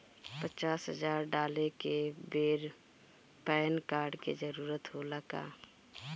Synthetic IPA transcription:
pət͡ʃaːsɦəd͡ʒaːɾɖaːlekebeːɾ | pɛːnkaːɾɖked͡ʒəɾuːɾət̪ɦoləka̰ː

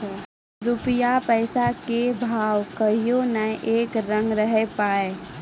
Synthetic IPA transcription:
ɾʊpɪjapəɪsakebʱaːwkəɦijonəʔeːkɾə̃ŋɡɾəɦepaːe

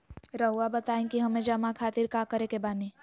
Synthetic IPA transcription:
ɾəɦuabɐt̪aːẽkiɦɐmẽd͡ʒɐmakʰaːt̪iɾkaːkəɾekebaːni

